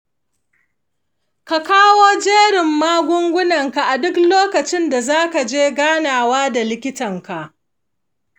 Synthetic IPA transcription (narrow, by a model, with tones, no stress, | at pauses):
ka˨kaː˦woː˦d͡ʒeː˦ɽɪ˨mːaː˦ɡʷʊ˦ŋɡʷʊ˦nɐ˨ŋka˨ʔa˨dʊ˦kloː˦kɐ˨t͡ʃɪ˦nda˨zaː˦ka˨d͡ʒeː˦ɡaː˦naː˨waː˦da˨lɪ˦kʲɪ˦tɐ˨ŋka˨ʔ